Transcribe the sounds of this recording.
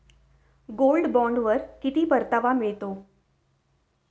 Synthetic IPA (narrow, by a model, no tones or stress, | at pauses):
ɡoːlɖbɔ̃ːɳɖʋəɾkit̪ipəɾt̪əʋamɪɭt̪oː